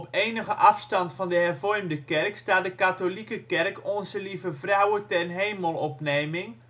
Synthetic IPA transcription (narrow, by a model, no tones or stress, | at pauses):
pejnəɣəʔɑfstɑntfɑndəɦɛrvɔrmdəkɛrkstaːtdəkatolikəkɛrkɔnzəlivəvrawətɛnɦejməlˠɔpnejmɪŋ